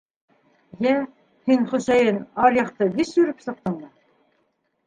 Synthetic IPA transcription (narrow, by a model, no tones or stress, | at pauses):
jæ | hiŋχɵ̆sæjɘnɑɾjɑqt̪ɤbisjɵ̆ɾɘpsɤ̆q̚t̪ɤ̆ɴd̪ɑ